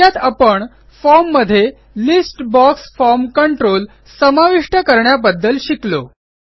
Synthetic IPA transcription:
at̪apəɳ | fɔɾmːəd̪ʱːje | lisʈbɔksfɔɾmkəɳʈɾol | səmaʋiʂʈəkəɾɳjabəd̪ːəlɕiklo

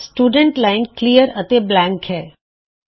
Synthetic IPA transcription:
sʈuɖəɳʈlaɪnklijəɾət̪eblãŋkɦɛ

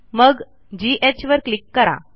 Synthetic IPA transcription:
məɡ | d͡ʑiʔet͡ɕʋəɾklikːəɾa̰

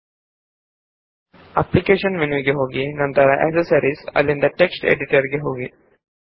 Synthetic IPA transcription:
ɐplikeːʂɐnʋenuʋiɡeɦoːɡinɐnt̪ɐɾɐʔḛksɐɾsɐɾisɐ̰lːind̪ɐʈeksʈḛɖiʈɐɾɡeɦoːɡi

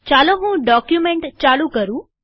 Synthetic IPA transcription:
t͡ʃaloɦũːɖɔkjumeɳʈt͡ʃalũkəɾũː

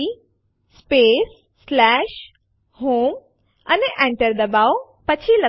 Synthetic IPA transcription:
i | speːs | slɛːʃ | ɦoːm | ɐneʔɛ̃ɳʈəɾd̪ɐbaːo | pɐt͡ɕʰilɐ

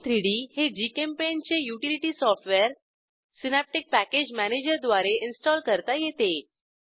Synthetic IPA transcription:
t̪ɾiɽiːhed͡ʑikempent͡ɕejuʈiliʈiːsɔfʈʋeɾ | sinæp̚ʈik̚pæked͡ʑmæned͡ʑəɾd̪ʋaɾeʔinsʈɔlkəɾt̪ajet̪e

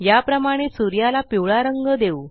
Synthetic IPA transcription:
japɾəmaɽ̃esuɾjalapiʋɭaɾəŋɡəd̪eu

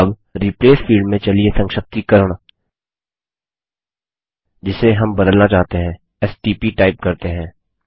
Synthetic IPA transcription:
ɐb | ɾipleːsfʰiːɭɖmẽt͡ʃɐliesɐ̃ŋʃək̚t̪ikɐɾəɽ̃ | d͡ʒɪseɦɐmbɐd̪əlnat͡ʃaːɦt̪eɦɛ̃ː | ɛsʈiːpiʈaːɪp̚kɐɾt̪eɦɛ̃ː

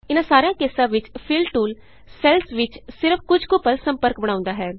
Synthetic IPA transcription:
ɪnãːsaːɾejãːkeːsãːʋɪt͡ʃpʰɪlʈuːl | sɛːlsʋɪt͡ʃsɪɾəpkʊd͡ʒkʊpəlsəmpəɾkbəɽ̃aːʊ̃nd̪aːɦɛː

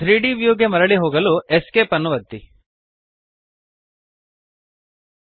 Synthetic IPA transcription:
t̪ʰɾiːɖiːʋjuːɡemɐɾɐɭiɦoːɡɐlueskeːpɐnːuʋɐd̪ːi

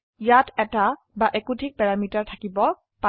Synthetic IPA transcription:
jatʰɛta | baʔekutik̚pɛɹamitaɹtʰakibɔ | pa

